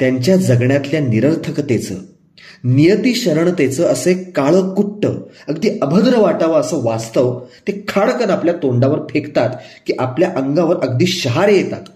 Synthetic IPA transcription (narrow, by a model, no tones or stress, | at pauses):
t̪jaɲt͡ɕjad͡zəɡɳjat̪ljaniɾəɾt̪ʰəkt̪et͡sə̰ː | nijət̪iːɕəɾəɳt̪et͡səəsəekkaɭəkuʈːə̰ | əɡd̪iːəbʱəd̪ɾəʋaʈaʋəəsəʋast̪əʋt̪ekʰaɭkənapljat̪oɳɖaʋəɾpʰekt̪at̪ | kiːʔapljaʔəŋɡaʋəɾʔəɡd̪iːɕəɦaɾjet̪a̰t̪